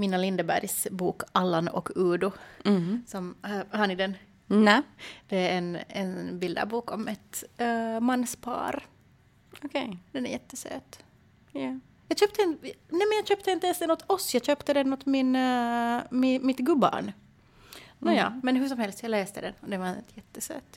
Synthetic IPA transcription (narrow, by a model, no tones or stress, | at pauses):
mɪnalɪnd̪əbæ̰ɾjsbuːkalːanɔ̰kʰːʉːd̪ʊ | sɔmhanɪd̪ɛn | d̪̥ɛɾɛnɛnbɪld̪a̰buːkɔmɛt̪ | manːspʰɑ̰ːɾ | okʰed̪̥ɛnæ̰ɾjɛt̪ːəsø̰ːt̪ | jɑːɡɕøːp̚t̪əɛnnɛmɛnjɑːɡɕøːp̚t̪əint̪əɛnst̪ɛnɔt̪ʰɔsːjɑːɡɕøːpt̪əd̪ɛnːut̪mɪn | mɪmɪt̪ɡɵba̰ɳ | ɔjɑ̰ːmɛnɦɵʂ̬ɔmhɛlst̪jɑːɡlɛːst̪əd̪ɛnɔd̪ɛvaɛnt̪ʰjɛt̪ːəsø̰ːt̪